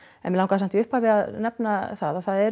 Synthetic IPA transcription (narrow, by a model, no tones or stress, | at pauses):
ɛ̰nmɪlawŋkaðs̬amt̪iʏhpaːvɪaðnɛpnaθaðaθaðɛɾ